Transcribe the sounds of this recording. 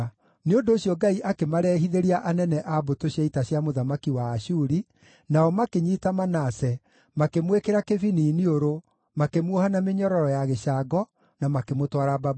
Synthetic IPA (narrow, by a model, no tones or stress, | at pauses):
neondoːɕjɔɡaiʔakemaɾɛːɦiðeɾiaʔanɛnɛʔabotoɕiaitaɕjamoðamakiwaːʃuːɾi | naɔmakeɲiːtamanasɛ | makemwekeɾakeviniːnioɾo | makemwuohanameɲɔɾɔɾɔjaɣeʃaɡɔ | namakemotwaɾabab